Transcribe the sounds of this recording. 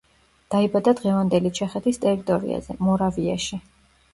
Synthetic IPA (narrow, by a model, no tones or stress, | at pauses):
d̪̥aibad̪ad̪ʁɛvand̪ɛlit͡ʃʰɛχɛt̪ʰist̪ʼɛɾit̪ʼɔɾḭa̰zɛ̰mɔɾavia̰ʃi